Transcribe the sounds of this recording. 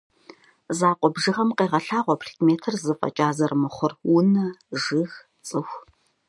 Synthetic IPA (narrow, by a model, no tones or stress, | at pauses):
zaːqʷʼɔbʒɨʁɐmqeːʁɐɬaːʁʷɔpʰrikmeːtʰɨrzɨfʼɐ̰t͡ʃʼaːzɐrmɨχʷʊrwʊnɐʒɨɣ | t͡sʼɨxʷ